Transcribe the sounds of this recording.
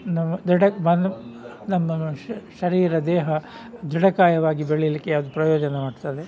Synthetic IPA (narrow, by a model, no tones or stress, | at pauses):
nɐmːɐd̪ɾiɽɐmɐn | nɐmːɐʃɐɾiːɾɐd̪ɛːɦɐ | d̪ɾiɽɐkaːjɐʋaːɡibeɭilikːead̪upɾɐjoːd͡ʒɐnɐmaːɖt̪ɐd̪e